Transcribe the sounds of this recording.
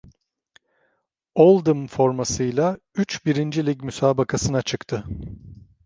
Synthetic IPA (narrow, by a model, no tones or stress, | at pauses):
olˠd̪ɯmfo̞ɾmasɯjlˠa | yt͡ʃbiɾind͡ʒilʲiɟmysaːbakʰasɯnat͡ʃʰɯkt̪ʰɯ